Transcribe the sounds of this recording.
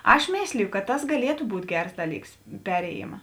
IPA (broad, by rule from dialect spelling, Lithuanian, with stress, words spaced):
ˈɐʃ ˈmʲeːsʲlʲɪjʊ kɐt ˈtɐs ɡɐˈlʲiɛtʊ ˈbuːtʲ ˈɡʲɛrs ˈdɑːˌlʲiːks ˈpʲæːrʲeːjɪmɐ